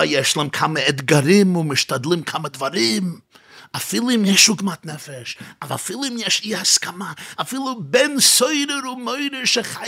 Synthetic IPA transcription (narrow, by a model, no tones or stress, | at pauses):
ajɛʃlˠɛmkʰaməɛdɡaɾɪmʊmɪʃtadlˠɪmkʰaːmədvaɾɪmafɪlˠɪmjɛʃuːɡmatnɛfɛʃava̰fɪlˠɪmjɛʃihaskamaːfɪːlˠʊbɛnsoɪɾəɾʊmoɪɾəʃɛχa